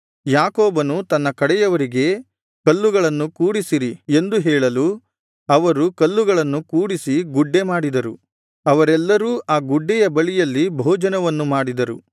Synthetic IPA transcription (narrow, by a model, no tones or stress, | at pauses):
jaːkoːbɐnut̪ɐnːɐkɐɽɛjɐʋɐɾiɡe̞ | kɐlːuɡɐɭɐnːukuːɽisiɾie̞nd̪uɦɛːɭɐlu | ɐʋɐɾukɐlːuɡɐɭɐnːukuːɽisiɡuɖːe̞maːɽid̪ɐɾu | ɐʋɐɾɛlːɐɾuːʔaːɡuɖːɛjɐbɐɭijɐlːibʱɔːd͡ʒɐnɐʋɐnːumaːɽid̪ɐɾṵ